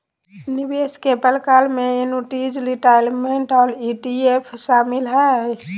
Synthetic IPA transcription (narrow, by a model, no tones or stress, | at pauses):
nibeskepəlkalmeenuʈid͡ʒliʈajlmeɳʈɔɾiʈiepʰʃamilɦɛ